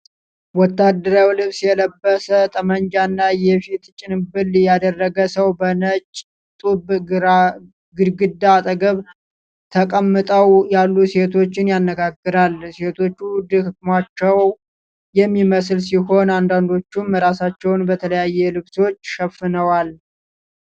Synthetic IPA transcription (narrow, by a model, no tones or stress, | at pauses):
wɔt̪ːad̪ːəɾawilɨβsjɛləbːəsət̪ʼəmənd͡ʒanːajɛfit̪t͡ʃʼɪnɨbɨljad̪ərːəɡəsəwbənət͡ʃʼ | t̪ʼub | ɡɨɾɡɨd̪aːt̪ʼəɡəβ | t̪ʰəkʼəmːɨt̪ʼəwjalːuse̞t̪ʰo̞t͡ʃːɪnjanːəɡaɡːɨɾalse̞t̪ʰo̞t͡ʃːud̪ɨhɨkmat͡ʃːɛw | jɛmːiməslsiɦo̞nand̪and̪o̞t͡ʃːumːɾasat͡ʃːɛwnbət̪ʰələjajːɛlɨβsot͡ʃːʃɛfːɨnəwal